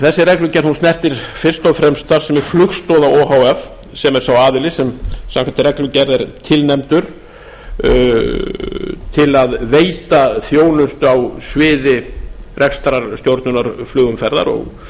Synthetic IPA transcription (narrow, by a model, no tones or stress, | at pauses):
θɛsːɪrɛklʏcɛɾðhunsnɛr̥t̪ɪɾ̥fɪr̥st̪ɔðfɾɛmst̪θaɾ̥sɛmɛɾ̥flʏxst̪ɔðaoːɦawɛf | sɛmɛɾ̥θawaːðɪlɪsɛmsamŋkant̪ɪrɛklʏcɛɾðɛɾt̪ʰɪlnɛmt̪ʏɾ̥ | t̪ʰɪlaðveːjt̪aθjoːwnʏst̪ʏawsvɪːðɪrɛkst̪ɾaɾ̥st̪jowɾt̪nʏnaɾ̥flʏːɣʏmfɛɾða̰ɾɔ̰ɣ